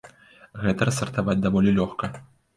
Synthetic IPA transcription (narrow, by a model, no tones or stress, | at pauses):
ɣɛt̪ɐɾɐsɐrt̪avad͡zʲd̪avɔlʲilʲɔxkɐ